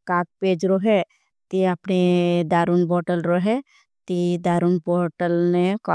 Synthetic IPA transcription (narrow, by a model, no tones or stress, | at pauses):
kak̪̚ped͡ʒɾɔɦe | t̪iapned̪aɾunbɔɾʈəlɾɔɦe | t̪id̪aɾunbɔɾʈəlnek